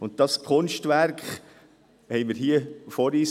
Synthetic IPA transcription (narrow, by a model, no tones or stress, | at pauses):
ʊnt̚d̥ɑskʰʊnʃtvæɾkχ | hɛɪmɪɾɦiːəfɔɾiːs